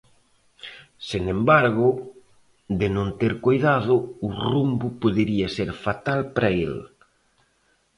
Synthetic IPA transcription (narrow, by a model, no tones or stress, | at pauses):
sinẽmbaɾɣʊ | ðɪnõnt̪eɾkojðaðʊʊrumbʊpoðeɾiɐseɾfat̪alpɾɐel